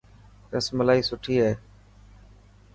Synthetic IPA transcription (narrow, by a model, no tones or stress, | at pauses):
ɾəsməlaːiːsʊʈʰiːɦeː